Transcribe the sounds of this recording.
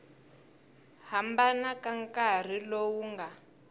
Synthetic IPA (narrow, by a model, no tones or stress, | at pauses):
hambanakaŋkar̤ilowuŋɡa